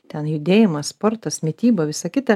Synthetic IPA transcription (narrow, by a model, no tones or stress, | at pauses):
t̪ʲɛnjʊd̪ʲeːjɪmɐsspoːɾt̪ɐsmʲɪt̪ʲiːbɐʋʲɪsɐkʲɪt̪ɐ